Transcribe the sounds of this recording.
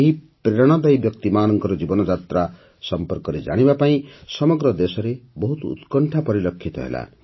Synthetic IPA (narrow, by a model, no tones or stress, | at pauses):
eɦi | pɾeɾɔɽ̃ɔd̪ʌjbjʌk̚t̪imaːnʌŋkɔɾɔd͡ʒibɔnɔd͡ʒat̪ɾa | sʌmpɔrkɔɾed͡ʒa̰ɽ̃ibapaĩsʌmɔɡɾʌd̪esɔɾebɔɦut̪ṵt̪kɔɳʈʰapɔɾilʌkʰːit̪ɔ̰ɦḛla̰